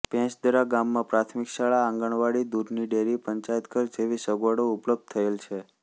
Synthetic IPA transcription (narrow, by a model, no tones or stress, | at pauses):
pɛ̃t͡ʃd̪əɾaɡamːãpɾat̪ʰmikʃaɭãːŋɡəɳʋaɽid̪ud̪niɖeɾipəɲt͡ʃajət̪kəɾd͡ʒeʋisəɡʋaɽoʊpləb̚d̪̚t̪ʰːəelt͡ʃʰe